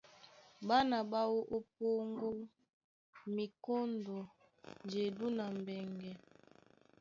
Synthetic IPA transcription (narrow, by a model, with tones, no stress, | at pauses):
ba˦na˨ba˦wo˦ʔo˦p̚o˦ŋɡo˦ | mi˨ko˦ndo˨ | nd͡ʒe˨du˦na˨m˨bɛ˨ŋɡɛ˨